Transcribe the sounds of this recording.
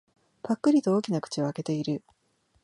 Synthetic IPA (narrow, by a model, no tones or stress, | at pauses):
pakːɯ̟ɾʲit̪o̞oːkʲinakɯ̟̥t͡ɕioake̞t̪e̞iɾɯ̟